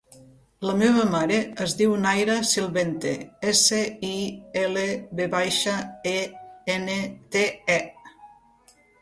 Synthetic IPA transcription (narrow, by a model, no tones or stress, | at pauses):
ləmeβəmaɾeəzd̪iwnajɾasilˠβent̪ḛeseieleβeβajʃaeenet̪eɛ